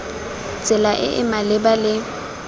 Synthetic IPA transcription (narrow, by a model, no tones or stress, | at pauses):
t͡sʼɪlaʔɪ̰ʔɪ̰malɪbalɪ